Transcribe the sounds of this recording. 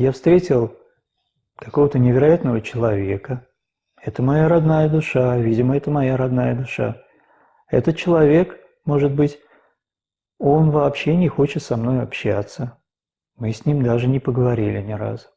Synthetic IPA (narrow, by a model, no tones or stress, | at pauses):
jafst̪ɾʲetʲɪlˠ | kɐ̥ko̞vət̪ənʲɪvʲɪɾɐjat̪nəvət͡ɕɪlˠɐvʲe̞kə | ɛt̪əmɐjaɾɐd̪najəd̪ʊʂavʲidʲɪməɛt̪əmɐjaɾɐd̪najəd̪ʊʂa̰ | ɛt̪ət̪̚t͡ɕɪlˠɐvʲe̞k | mo̞ʐɨd̪̚bɨtʲ | o̞nvɐːpɕːe̞nʲɪxo̞t͡ɕɪt̪sɐmno̞jɐpɕːa̰t̪sə | mɨsʲnʲimd̪aʐɨnʲɪpəɡəvɐɾʲilʲɪnʲɪɾa̰z